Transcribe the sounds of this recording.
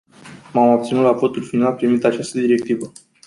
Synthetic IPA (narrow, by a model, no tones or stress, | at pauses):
mamap̚t̪sinut̪lafot̪ulfinalpɾimit̪at͡ʃast̪əd̪iɾe̞k̚t̪ivə